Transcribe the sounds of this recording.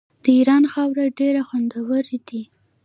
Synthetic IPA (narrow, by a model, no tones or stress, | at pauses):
d̪̥əiɾɑnxɑwɾaɖeɾaxwand̪awəɾed̪i